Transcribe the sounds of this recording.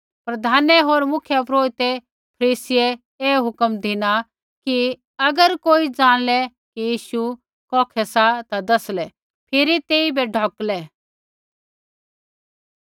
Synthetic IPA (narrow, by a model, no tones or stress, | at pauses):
pɾɐd̪ʱaːnɛɦoːɾmʊkʰjəpɾoːit̪e | pʰɐɾiːsɪe | eːɦʊkəmd̪ʱɪna | ki | ɐɡəɾkoːid͡zaːɽ̃lɛ | kijiːʃu | kɔːkʰɛsat̪ad̪ɐslɛ | pʰɪɾit̪eːibʱɛɖʱɔːklɛ